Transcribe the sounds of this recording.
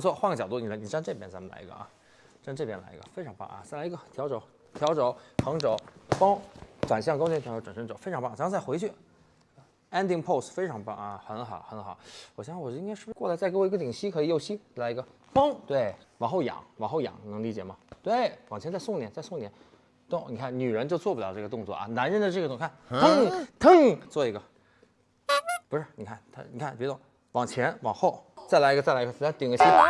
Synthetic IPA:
t͡sʰwɔ˥˧xwa˥˩nɡə˩t͡ɕjɑ˨˩ʊt̪u˥˩ni˨˩la˧˥ni˨˩ʈ͡ʂa˥˧˥nʈ͡ʂɤ˥˩pjɛ˧˥nt͡sa˧˥mə˧nla̰˧˥ɪ̰˧ɡə̰˧ʔɐ̰˧ | ʈ͡ʂnʈ͡ʂɤ˥˩pjɛ˥nla̰˧˥ɪ̰˧ɡə̰˧fe˥ɪʈ͡ʂʰɑ˧˥ŋpɑ̰˥˩ʔɐ̰˧t͡sa˥˩lə˧˩t̪ʰjɑ˧˥ʊʈ͡ʂo˨˧˥ʊ | t̪ʰjɑ˧˥ʊʈ͡ʂo˧˥ʊxʰɑ˧˥ŋʈ͡ʂo˨˧˥ʊpɑ˥ŋʈ͡ʂwa˨˩nɕ̬jɑ˥˧ŋkʊɛ˧˥˩ʈ͡ʂʈ͡ʂa˨˩nʂə˧˥nʈ͡ʂo˨˩˦fe˥ʈ͡ʂʰɑ˧˥ŋpɑ˥˩ŋt͡sa˧˥mə˧nt͡sa˥˩ɪxwe˧˥ɪt͡ɕʰy˥˩˧ | ɛ˥nd̪i˥˧ŋpʰo˥˩ʊsfe˥ɪʈ͡ʂʰɑ˧˥ŋpa˥˩ŋɐ˧˩xə˧˥n˧xɑ˨˩˦xə˧˥n˩xɑ˨˩˦wɔ˨˩ɕjɕɔ˨˩˥i˥ka˥ɪʂ̩˥˩˧wɔ˥˩la˧˥t͡sa˥˩ɪke˥wɔ˧˩˧ɡə˩t̪i˨˩ŋɕi˥kʰɤ˧˥i˨˧jo˥˩ʊɕi˥˩la˧˥i˧ɡə˧ | fɑ˥ŋt̪we˥˩ɪwɑ˨˩ŋxo˥˩ʊjɑ̰˨˩˦ŋwɑ˨˩ŋxo˥˩jɑ̰˨˩˦ŋ˨˩nɤ˧˥ŋli˧˥t͡ɕjɛ˨˩mɐ˩t̪we˥˩ɪwɑ˨˩ŋt͡ɕʰɛ˧˥nt͡sa˥˧sʊ˥˩ŋt̪jɛ˧˥nt͡sa˥˧ɪsʊ˥˩ŋnjɛ˧˥n | t̪o˥˩ni˨˩kʰa˥˩nny˨˩ɻə˧˥nt͡ɕjo˥˧ʊt͡swɔ˥˩pljʈ͡ʂɤ˥˩ə˩t̪ʊ˥˧ŋt͡swɔ̰˥˩ʔɐ̰˧na˧˥nɻə˥˧nd̪ə˨˩ʈ͡ʂɤ˥˩ə˩t̪ʊ˥˧ŋkʰnt̪ʰə˥t̪ʰə˥ŋ˧˩ŋt͡swɔ˥˩i˧˥ɡə˧ | pu˧˥ʂɻ̩˥˩ni˨˩kʰa˥˩nt̪ʰa̰˥ni˨˩kʰa˥˩npɛ˧˥ɾʊ˥˧˩ | wɑ˨˩ŋt͡ɕʰjɛ˧˥nwɑ˨˩ŋxo˥˩ʊt͡sa˥˩ɪla˧˥ɪ˧˥˧a˥˩lə˧˩˧a˥t̪i˨˩ŋlə˩ɕʰi˥

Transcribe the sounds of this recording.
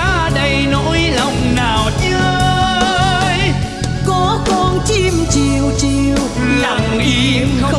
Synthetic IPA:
ɗə˧jno˧˥jlə˧˩wŋ͡mnaː˨˩wt͡ɕə˧ | j | kɔ˨˦kɔ˧nt͡ɕi˧mt͡ɕi˨˩wt͡ɕi˨˩əw | la˨˩ŋi˧

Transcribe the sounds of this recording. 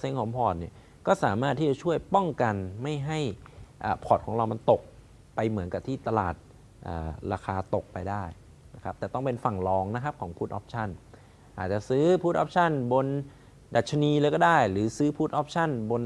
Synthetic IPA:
se˧˦ŋkʰɔː˩˦ŋpʰɔː˨˩t̪̚ni˥˩ɐ | kɔː˥˩saː˩˦maː˥˩t̪ʰːiː˥˩t͡ɕa˨˩t͡ɕʰu˥˩əjpɔ˥˩ŋka˧nma˥˩jɦa˥˩jʔaː˨˩pʰɔː˨˩kʰɔː˩˦ɾa˧wma˧nt̪o˨˩k̚ | pa˧jmɯ˩˦ənka˨˩p̚t̪ʰiː˥˩t̪a˧la̰ː˨˩t̪̚ | ʔa̰ː˨˩ɾaː˧xʰaː˧t̪o˨˩k̚pa˧jdaː˥˩j | na˦˥kʰa˦˥t̪ɛː˨˩t̪ɔ˥˩ŋpe˧nfa˨˩ŋlɔː˧ŋna˦˥kʰa˦˥p̚kʰɔː˩˦ŋpʰuː˦˥˩t̪ʔɔː˦˥p̚t͡ɕʰa˥˩n | ʔaː˨˩t̪̚t͡ɕa˨˩sɯː˦˥pʰuː˦˥t̪̚ʔɔ̰˦˥p̚t͡ɕʰa˥˩nbo˧n | da˨˩t̪̚t͡ɕʰːa˧niː˧laː˧˥˩kɔː˥˩daː˥˩jɾɯː˩˦sɯː˦˥pʰuː˦˥t̪̚ʔɔː˦˥p̚t͡ɕʰa˥˩nbo˧n

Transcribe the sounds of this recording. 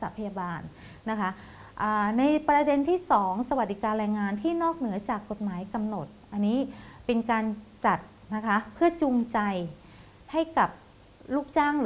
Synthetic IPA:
saː˩˦pʰa˧jaː˧baː˧n | na˦˥kʰa˦˥ | ʔaː˨˩na˧jpɾa˧de˧nt̪ʰiː˥˩sɔː˩˦ŋsa˧wa˨˩t̪̚di˨˩kaː˧nɾɛː˧ŋːaː˧nt̪ʰiː˥˩nɔː˥˩k̚nɯ˩˦ɐt͡ɕaː˨˩kːo˨˩t̪̚maː˩˦jka˧mno˨˩t̪̚ʔa˧nːiː˦˥pe˧nkaː˧nt͡ɕa˨˩t̪̚ | na˦˥kʰa˦˥pʰɯ˥˩ɐt͡ɕu˧ŋt͡ɕa˧j | ha˥˩jka˨˩p̚ | luː˥˩k̚t͡ɕaː˥˩ŋɯ˨˦

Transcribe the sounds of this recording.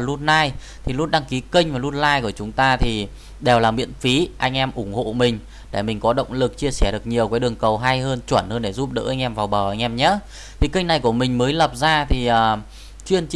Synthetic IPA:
lu˦˥t̚naː˧jt̪ʰi˨˩lu˦˥t̚ɗa˧ŋki˨˦kï˧ŋ̟vaː˨˩lu˦˥t̚laː˧jku˧˩ət͡ɕʊ˨˦ŋ͡mt̪aː˧t̪ʰi˨˩ | ɗe˨˩wlaː˨˩mḭ˧˥ənfi˨˦ʔa˧jŋ̟ʔɛ˧mʔʊ˧˩ŋ͡mho̰˧˨mï˨˩ŋ̟ | ɗe˧˩mï˨˩ŋ̟kɔ˨˦ɗə̰˧˨wŋ͡mlɨ˨˩k̚t͡ɕi˧əsɛ˧˩ɗɨ˨˩ək̚ɲi˨˩əwkaː˨˦jɗɨ˨˩əŋkə˨˩wɦa˧jɦəː˧nt͡ɕwə˧˩nhəː˧nɗe˧˩zu˦˥p̚ɗə̰ː˧˥ʔa˧jŋ̟ʔɛ˧mvaː˨˩wɓəː˧˩ʔa˧jŋ̟ʔɛ˧mɲə˧˥ | t̪ʰi˨˩ki˧ŋ̟na˨˩jku˧˩əmï˨˩ŋ̟məː˨˦jlə˨˩p̚zaː˧t̪ʰi˨˩ʔəː˨˩ | t͡ɕwi˧ənt͡ɕ

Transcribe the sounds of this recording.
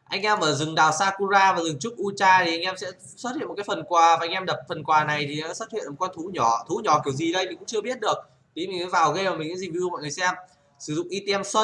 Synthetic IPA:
ʔa˧jŋ̟ʔɛ˧mʔəː˧˩zɨ˨˩ŋɗaː˨˩wsaː˧ku˧zaː˧vaː˨˩zɨ˨˩ŋt͡ɕʊ˦˥k͡p̚ʔu˧t͡ɕaː˧t̪ʰi˨˩ʔa˧jŋ̟ʔɛ˧msɛ̰˧˥ | swə˦˥t̚hḭ˧˨m̚˨˩kːaː˨˦fə˨˩nkwaː˨˩vaː˨˩a˧jŋʔɛ˧mɗə˨˩p̚fə˨˩nkwaː˨˩na˨˩jt̪ʰi˨˩ɛ̰˧˥swə˦˥t̚hḭ˧˨nm̚˨˩kɔ˧nt̪ʰu˨˦ɲɔ˧˩t̪ʰu˨˦ɲɔ˧˩ki˨˧˩əwzi˨˩ɗə˧jmi̟˨kʊ̰˧˥ŋ͡mt͡ɕɨ˧ə˧ɓi˦˥ət̚ɗɨ˨˩ək̚ | t̪i˨˦mi˨ŋzɨː˨˦vaː˨˩wɣə˧vaː˨˩mï˨˩ɨ̰˧˥zi˨˩vi˧mɔ̰˧˨ŋɨ˨˩jsɛ˧m | sɨ˧˩zʊ̰˧˨ŋ͡mʔi˧t̪e˧ɛ˧mswə˧

